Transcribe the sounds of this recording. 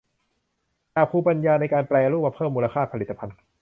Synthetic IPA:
t͡ɕaː˨˩pʰuː˧˩pa˧njaː˧na˧jkaː˧nplɛː˧ɾuː˥˩ma˧˩pʰɤː˥˩mːuː˧la˧kʰaː˥˩pʰa˧li˨˩t̪ːa˧pʰa˧n

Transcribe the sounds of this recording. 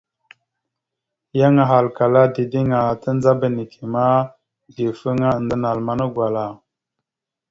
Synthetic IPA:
ja˦ŋa˨ɦa˨lka˨la˦di˨di˦ŋa˨tə˦n˦za˦bə˦ni˨kʰi˨ma˦ | di˨fə˦ŋa˦˨n˨də˦na˨lma˦nə˦ɡwa˨la˨

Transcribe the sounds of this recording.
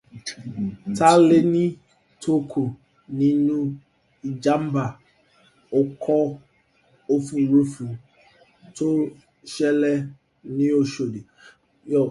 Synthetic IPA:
ta˦le˦nĩ˦ | tʰo˦kʰo˨ | nĩ˦nũ˦ | i˨d͡ʒa˦m˦ba˨ | o˦kʰɔ˦ | o˦fũ˨i˨ɾu˦fũ˨ | to˦ | ʃɛ˦lɛ˦ | nĩ˦o˦ʃo˨de˨ | jɔ˨

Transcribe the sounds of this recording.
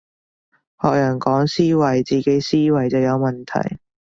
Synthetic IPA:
hɔː˨k̚jɐː˨˩nkɔː˨˥ŋsiː˥wɐ˨˩jt͡siː˨˩ke˨˥jsiː˥wɐ˨˩jt͡sɐ˨wjɐ˨˧wmɐ˨nt̪ʰɐ̰˨˩j

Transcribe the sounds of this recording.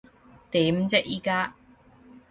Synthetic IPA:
t̪iː˨˥mt͡sɛ˥ʔ̚jiː˧kaː˥

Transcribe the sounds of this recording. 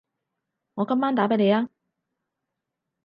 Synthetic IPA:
ŋɔː˨˧kɐ˥mːaː˥nt̪aː˨˥pe˨˥jle˨˧jaː˥

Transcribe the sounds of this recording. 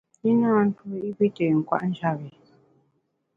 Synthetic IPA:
i˦naː˦n̩˦tu˨˦i˦bi˦te˨ŋ̩˨kwa̰˨ʔn̩˦d͡ʒa˦˨bi˨

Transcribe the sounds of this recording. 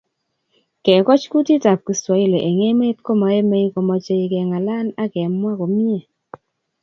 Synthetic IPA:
kɛ˨kɔ˦t͡ʃku˦ti˦ta˨p̚ki˨swa˨i˦le˨ʔe˨ŋe˦me˦tko˦ma˨˦e˦me˦i˦ko˨mɔ˨t͡ʃe˦i˨kɛ˨ŋa˨la˦na˦kɛ˨mwa˦ko˨mi˦e˨

